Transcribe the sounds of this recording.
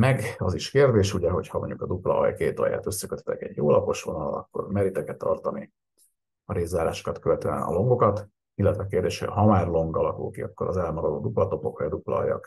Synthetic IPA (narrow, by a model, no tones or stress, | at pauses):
mɛɡɒziʃkeːrd̪eːʃuɟɛɦo̞chɒmo̰ɲɟukɒd̪uplɒ̰ɒ̰jkeːt̪ɒ̰ja̰ːt̪øsːɛkøt̪hɛ̥t̪ɛkɛɟjoːlɒpo̞ʃʋo̞nɒlɒ̰kːo̞̰rmɛɾit̪ɛkɛt̪ːɒrt̪ɒni | ɒɾeːzːaːɾaːʃo̥kɒt̪køvɛt̪øːɛnɒ̰lo̞ŋɡo̞kɒt̪ | ilːɛt̪ʋɛkeːrd̪eːʃhoɟɦɒmaːrlo̞ŋɡɒlɒkṵlkiɒkːo̞ɾɒzɛlmɒɾod̪oːd̪uplɒt̪o̞po̞krɛd̪uplɒ̰ɒ̰jɒ̰k